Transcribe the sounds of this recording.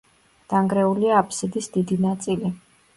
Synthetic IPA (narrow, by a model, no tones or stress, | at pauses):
d̪̥aŋɡɾɛuliaːpʰsid̪isd̪id̪inat̪sʼili